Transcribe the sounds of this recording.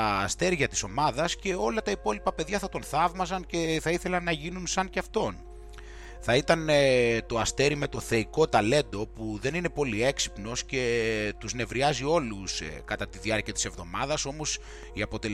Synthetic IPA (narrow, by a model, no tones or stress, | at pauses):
st̪e̞ɾʝɐt̪i̥so̞mɐðɐsce̞o̞lɐt̪ɐipo̞lipɐpe̞ðʝɐθɐt̪o̞nθɐvmɐzɐnce̞θɐiθe̞lɐnːɐʝinunsɐnceɐft̪o̞n | θɐit̪ɐnt̪o̞ɐst̪e̞ɾime̞t̪o̞θe̞iko̞t̪ɐle̞nd̪o̞puðe̞ninepo̞lie̞ksi̥pno̞sce̞t̪uzne̞vɾiɐzio̞luskɐt̪ɐt̪iðiɐɾciɐt̪i̥se̞vðo̞mɐðɐso̞mo̞s | iɐpo̞t̪e̞l